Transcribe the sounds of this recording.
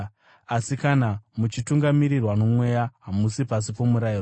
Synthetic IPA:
asikanamut͡ʃituŋɡamiɾirwano̞mwe̞jaɦamusipas̬ipo̞muɾair

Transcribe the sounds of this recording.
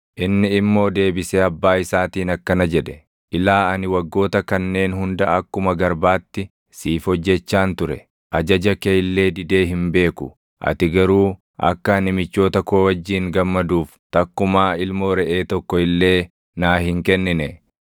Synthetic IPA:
ʔɪnːɪːmːo̞ːd̪e̞ːbɪseːɐbːaːɪsaːt̪iːnɐkːɐnɐd͡ʒɛd̪ɛ | ʔɪlaːɐnɪwɐɡːo̞ːt̪ɐkɐnːe̞ːnɦʊnd̪ɐɐkːʊmɐɡɐɾbaːt̪ːɪ | siːfɔd͡ʒːɛt͡ʃːaːnt̪ʊɾɛ̰ | ʔɐd͡ʒɐd͡ʒɐkejlːe̞ːd̪ɪd̪e̞ːɦɪmbe̞ːkʊ | ʔɐ̰t̪ɪɡɐɾuː | ɐ̰kːɐɐnɪmɪt͡ʃːo̞ːt̪ɐkoːwɐd͡ʒːiːŋɡɐmːɐd̪uːf | t̪ɐkːʊmaːɪlmo̞ːɾɛʔe̞ːt̪ɔkːɔɪlːe̞ː | naːhɪŋkɛnːɪnɛ

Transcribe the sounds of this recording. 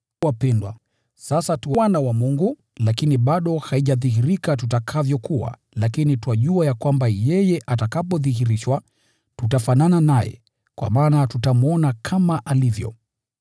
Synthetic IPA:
apɛndwa̰ | sasatuwwanawamuŋɡu | lakiniɓaɗɔhaiʄaðiɦiɾikatutakʰavjɔkua̰ | lakinituaʄuajakwambajɛjɛʔatakapɔðiɦiɾiʃwa | tutafanananajɛ̰ | kwa̰maːnatutamɔnakʰamaʔalivjɔ̰

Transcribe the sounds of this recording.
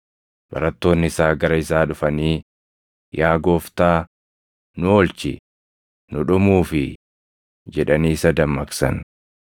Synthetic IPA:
b̥ɐ̰ɾɐt̪ːo̞ːnːɪɪsaːɡɐɾɐɪsaːᶑʊfɐniː | jaːɡo̞ːft̪aː | nʊoːlt͡ʃɪ̰ | nʊᶑʊmuːfɪ | d͡ʒɛᶑɐniːsɐd̪ɐmːɐksɐ̰n

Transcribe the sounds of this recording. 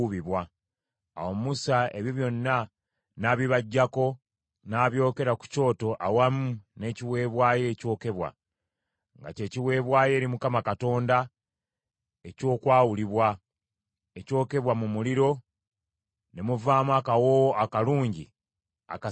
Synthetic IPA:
βiβwa | a̰wo̞mmusae̞βjoβjo̞nːa | naβiβaɟːako̞ | naːβjo̞ːke̞ɾaku̥co̞ːto̞ʔawamune̞ːciwe̞ːβwaːje̞ːco̞ːke̞βwa̰ | ŋɡa̰ce̞ːciwe̞ːβwaːje̞ːɾimukamakato̞ːnda | e̞co̞ːkwaːwuliβwa | e̞co̞ːke̞βwamumuliɾo̞ | ne̞muvaːmuakawoakaluːɲɟi | a̰ka

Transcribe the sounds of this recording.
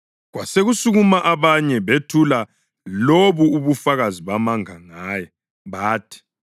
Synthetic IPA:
ɣwa̰seɣusuɣumaʔaβaɲɛβetʰula | loβuːβufaɣaziβamaŋaŋaːjɛ | βaːtʰi̥

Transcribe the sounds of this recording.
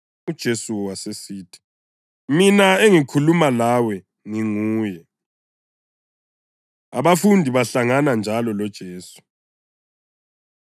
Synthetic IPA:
ud̥ʒ̥ʱesuwasesiːtʰi̥ | minaeŋikʰulumalawɛ | ŋiŋuːjɛ | aβafundʱiβaɬaŋanand͡ʒʱalɔlɔd̥ʒ̥ʱeːsu̥

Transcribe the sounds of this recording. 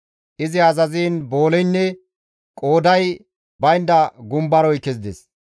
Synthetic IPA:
ʔɪzɪɐzɐziːnbo̞ːlɛjnːɛ | kʼo̞ːd̪ɐj | bɐjnd̪ɐɡʊmbɐɾɔjkːɛzɪd̪ɛ̰s

